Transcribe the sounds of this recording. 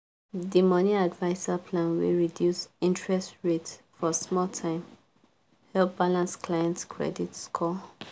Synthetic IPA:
dimʌniadvaɪsapʰlãnwḭɹidjusĩntɹɛstɹet | fɔsmɔltʰãɪ̃m | hɛlp̚b̥alãnsklajɛ̃ntkʰɹɛ̰ditskʰɔ

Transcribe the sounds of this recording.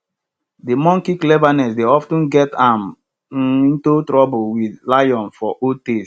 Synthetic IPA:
demɔ̃ŋkiklɛvanɛsdeɔftə̃nɡɛtãm | ĩntutɹɔbolwidlajɔ̃nfɔʔotes

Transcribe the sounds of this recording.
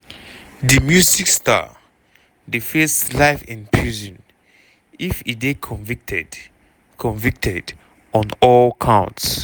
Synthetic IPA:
dəmjuziksta̰ | difeslaɪfĩnpʰɹizɔ̃n | ifiekʰɔ̃vktd | kʰɔ̃nvik̚tʰɛd | ɔ̃nɔlkʰãʊ̃nts

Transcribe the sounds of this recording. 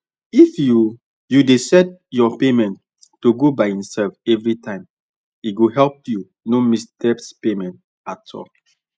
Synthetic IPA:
ifju | judesɛt̚jɔpemɛ̃ntː | uɡobaɪhĩmsɛlfɛvɹitãɪ̃m | it̚ɡoɦɛlp̚ju | nomisdɛpspemɛ̃nt̚ | atʰːɔ̰k

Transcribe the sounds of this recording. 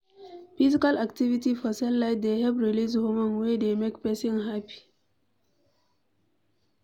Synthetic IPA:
fizikalaktivitifɔsɛllaɪtd̪ehɛvɹilishomãnwedemekpɛsĩnɦapi̥

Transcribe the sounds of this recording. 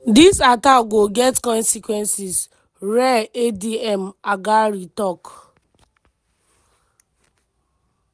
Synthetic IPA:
disataɡoɡɛtkɔnsikwɛnsis | ɾeediɛm̩aɡaɾitɔk

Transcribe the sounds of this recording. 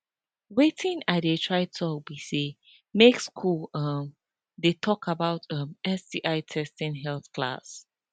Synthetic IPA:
wetʰɪ̃nadetʰɹaɪtʰɔbise | mekskʰulʌm | detʰɔkabaʊtʰʌ̃mɛsdiʔaɪtʰɛstɪ̃nɦɛlθkʰla̰s

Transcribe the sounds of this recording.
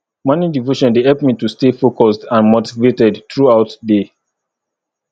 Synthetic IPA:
manidivoʃɔ̃ndehɛlpmitustefokɔsdãnmotivetɛdtɹuaʊtde

